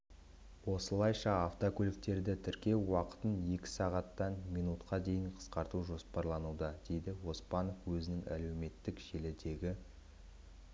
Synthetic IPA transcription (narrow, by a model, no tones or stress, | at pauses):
wo̞səlˠɑjʃɑɑft̪okʲʰɵlɪk̚t̪e̞ɾd̪ɪt̪ʰɪɾkʲe̞wwɑqə̥t̪ənje̞kʲɪ̥sɑʁɑt̪ːɑnmijnut̪qʰɑd̪e̞jɪɴqʰə̥sqɑɾt̪uʒo̞spɑɾlˠɑnud̪ɑd̪̥e̞jd̪ɪwo̞spɑnofwɵzɪnɪŋæ̰le̞wme̞t̪ːɪkʒ̥e̞lɪd̪e̞ɡʲɪ